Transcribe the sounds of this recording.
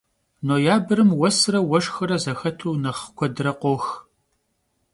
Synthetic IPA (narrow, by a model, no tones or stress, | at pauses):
noːjaːbɨɾɨmwɐsrɐwɐʂxɐɾɐzɐxɐtʰuːnɐχkʷʰɔdrɐqʷɔx